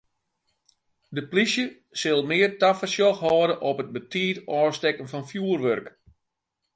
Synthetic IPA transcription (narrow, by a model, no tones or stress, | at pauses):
dəplisjə | sɪlˠmɪːərtafərsjɔxhɔːdəʔɔpət̚bətiːtɔːrstɛkənfɔnfjuːərʋørk